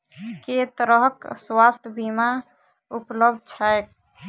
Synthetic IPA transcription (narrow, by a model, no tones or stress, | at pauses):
ket̪ɾəɦkswast̪ʰbima | upləbd̪̚t͡ʃʰaek̚